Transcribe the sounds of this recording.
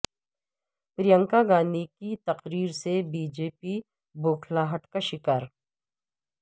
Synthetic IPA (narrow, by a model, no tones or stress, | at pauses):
pɾijə̃ŋkaɡaːnikit̪ɐqɾiːɾsebiːd͡ʒeːpi | boːkʰlaɦəʈkaʃɪkaːɾ